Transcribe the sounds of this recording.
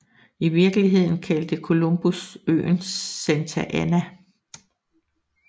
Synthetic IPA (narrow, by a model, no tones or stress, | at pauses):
iʋiɐɡ̥əliɦe̝ð̞̰ˠn̩kʰæld̥əkʰo̝lomb̥usø̰ːnsːent͡sʰæʔænæ